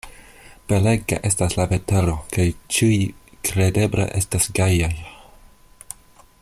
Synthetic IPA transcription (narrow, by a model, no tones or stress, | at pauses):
b̥eleɡa̰ʔe̞staslave̞te̞lo̞kajt͡ʃijkɾede̞blḛʔe̞stasɡajaj